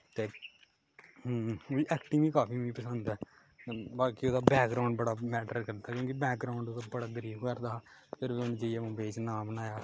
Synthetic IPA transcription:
t̪eː | oiɛːkʈiːʋĩːkaːpʰiːʋĩːpəsənd̪ɛː | baːkiːoːd̪aːbɛːkɡɾaːʊɳɖbəɽaːmɛːʈəɾkəɾd̪aːkjõːkibɛːk̚ɡɾaːʊɳɖoːd̪aːbəɽaːɡ̪əɾiːbkəɾd̪aːpʰɪɾʋiːʊnːd͡ʒəijũːbeːt͡ʃnaːmnaːjaː

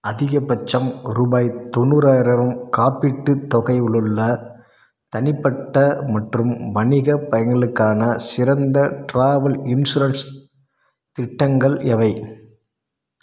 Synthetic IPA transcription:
ɐðɪɣɐpɐt͡ʃːɐmɾuːbaːjt̪ɔnːɯɾaːjɾɐʋɯmkaːpːɪʈːɯt̪ɔɣɐɪɪɭɯɭːɐ | t̪ɐnɪpːɐʈːɐmɐʈrɯmʋɐɳɪɣɐpɐjɐŋɡɐɭɯkːaːnɐsɪɾɐnd̪ɐʈɾaːʋɐlɪnsuɾɐns | t̪ɪʈːɐŋɡɐɭɛʋɐɪ

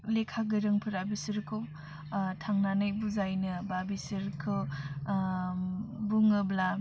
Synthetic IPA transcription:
lekʰaɡɯɾɯŋpʰɯɾabisəɾkʰɯw | tʰaŋnanajbuzajnɯbabisɯɾkʰɯ | buŋɯbla

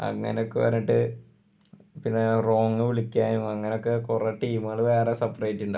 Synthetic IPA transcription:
ɐ̰ŋːɐ̰neo̞kːeʋɐ̰ɾniʈːɨ | pinːero̞ːŋːɨʋiɭikʲːaːnumɐŋːɐne̞o̞kːekureʈːiːmɨɣɐɭʋe̞ːresɐpːrɐjtːuɳɖa

